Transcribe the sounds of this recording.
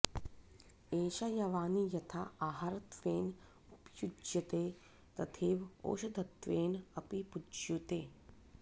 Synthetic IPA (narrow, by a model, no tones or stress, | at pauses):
eːʃɐjɐʋaːnijɐt̪ʰaaːɦɐɾɐt̪ʋeːn | upjud͡ʒjɐt̪eː | t̪ɐt̪ʰeːʋo̰ːʃɐd̪ʱɐt̪ʋeːnɐpipud͡ʒjut̪eː